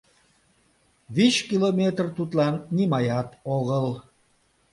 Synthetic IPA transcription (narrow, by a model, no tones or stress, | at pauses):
βiɕkilomʲet̪rt̪ut̪lɑnːimɑjɑt̪oɣəl